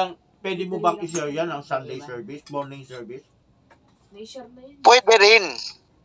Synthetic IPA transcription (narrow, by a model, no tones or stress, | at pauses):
aŋ | pwɛd̪ɪmobɐŋʔɪs̬ɛɾjanɐŋsand̪ɛjsɛɹbɪsmɔɹnɪŋsɛɹvɪs | pwɛd̪ɛɾɪn